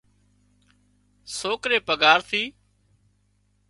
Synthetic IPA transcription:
soːkɾeːpəɡaːɾt̪ʰiː

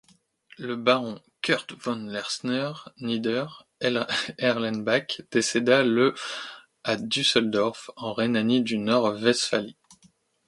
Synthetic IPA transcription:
ləbaʁɔ̃ | kʲœʁt̪vɔnlɛʁsnœʁnid̪œʁ | ɛʁlɛnbakd̪̥esed̪alø | ad̪ysɛld̪ɔʁfɑ̃ʁenanid̪ynɔʁvɛsfali

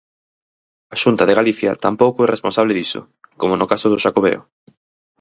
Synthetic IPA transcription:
aʃunt̪aðeɣaliθja̰t̪ampowkʊɛresponsaβleðisʊ̰ | komonʊkasʊðʊʃakoβḛo̰

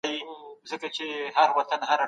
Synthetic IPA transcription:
jizəkat͡ʃeɦaɾwat̪anɦaɾa

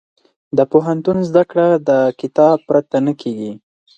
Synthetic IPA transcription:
d̪əpoɦant̪unzd̪akɽad̪əkɪt̪ɑb̚pɾat̪anəkʰeɡi

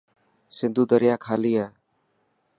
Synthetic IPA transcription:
sɪnd̪uːd̪əɾɪjaːkʰaːliːaː

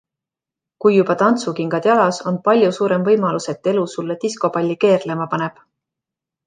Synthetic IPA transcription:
kujːubɑt̪ɑnt̪sukiŋɡ̥ɑd̪̥jɑlɑso̞npɑlʲjusuːɾe̞mvɤjmɑluse̞t̪ːˑe̞lusulːet̪isko̞bɑlʲːike̞ːrle̞mɑpɑne̞b̥

